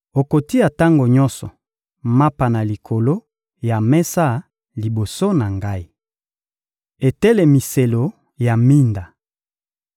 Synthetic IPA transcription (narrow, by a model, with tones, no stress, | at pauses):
o˨ko˨ti˦ja˨ta˦ŋɡo˨ɲɔ˦nsɔ˨ | ma˦pa˨na˨li˨kʰo˨lo˦ | ja˨mɛ˦sa˦ | li˨bo˨so˦na˨ŋɡa˦i˦ | e˨tɛ˦le˨mi˨se˨lo˨ | ja˨mi˦nda˨